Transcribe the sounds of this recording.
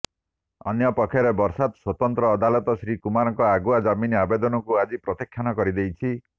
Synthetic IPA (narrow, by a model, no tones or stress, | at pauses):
ɔ̰njɔpɔkʰːjɔɾebɔɾsad̪swɔt̪ɔnt̪ɾɔːd̪alɔt̪ɔsɾikumaɾɔŋkɔaɡuad͡ʒaminiabed̪ɔnɔkuad͡ʒipɾɔt̪ikʰːjanɔkɔɾid̪ejt͡ʃʰi